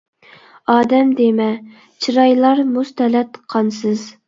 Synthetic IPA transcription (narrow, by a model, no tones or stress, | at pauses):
ɑːd̪ɛmd̪emɛ | t͡ʃʰiɾɑjlˠɑɾmust̪ɛlɛt̪qʰɑnsɨz